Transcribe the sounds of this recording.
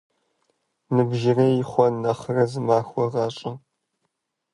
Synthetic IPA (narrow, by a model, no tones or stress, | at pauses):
nɨbʒɪreːjɪχʷɔnɐχrɐzɨmaːxʷɔʁɑːɕʼɪ